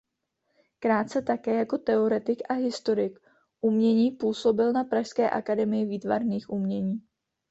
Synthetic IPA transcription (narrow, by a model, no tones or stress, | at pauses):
kɾaːt̪̚t͡sɛt̪akɛːjako̞t̪ɛo̞ɾɛt̪ɪkʔaɦɪst̪o̞ɾɪk | ʔumɲɛɲiːpuːso̞bɪlnapɾaʃskɛːʔa̰kadɛmɪjɪviːt̪va̰ɾniːxʔumɲɛɲiː